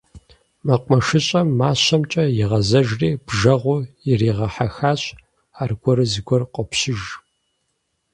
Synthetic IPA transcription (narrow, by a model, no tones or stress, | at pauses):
mɐqʷmɐʂɨɕʼɐmːaːɕɐmt͡ʃʼɐjɪʁɐzɐʒriːb̥ʒɐʁʷʊjɪriːʁɐħaxaːɕ | aːrɡʷɔɾɨzɨɡʷɔrqʷʼɔpɕɪʒ